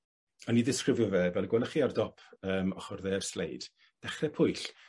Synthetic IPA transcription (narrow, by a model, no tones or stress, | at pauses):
ɔnːiðɪskrɪvjʊvɛbɛlˠɡwɛlˠəχiːardɔpʰəːmɔχɔrðɛːrslḛjd̥ | d̥ɛχrɛpʰʊɨɬ